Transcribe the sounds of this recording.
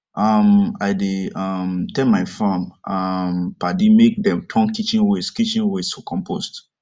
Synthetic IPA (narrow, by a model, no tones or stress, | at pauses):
ʔamaɪdeʌmtɛlmaɪfãmʔʌmpadimek̚dɛ̃mtʰɔ̃ŋkit͡ʃĩnweskit͡ʃĩnwesokʰɔ̃mpʰost